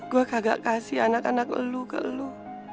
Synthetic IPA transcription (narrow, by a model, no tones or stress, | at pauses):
ɡ̥uakaɡa̰ʔkasɪhanakanak̚ə̰luka̰ʔəlu